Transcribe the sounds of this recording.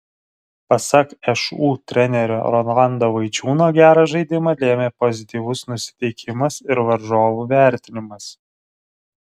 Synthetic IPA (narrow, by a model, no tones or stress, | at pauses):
pɐsɐkɛʃuːt̪ʲɾʲɛnʲɛɾʲo̰ːɾɔnlˠɑnd̪oːʋɐɪt͡ʃʲuːnoːɡʲæːɾɐʒɐɪd̪ʲɪmɐlʲeːmʲeːpɔzʲɪt̪ʲiːʋʊsnʊsʲɪ̥t̪ʲɛɪkʲʰɪmɐsɪɾʋɐɾʒoːʋuːʋʲæˑɾʲt̪ʲɪnʲɪmɐs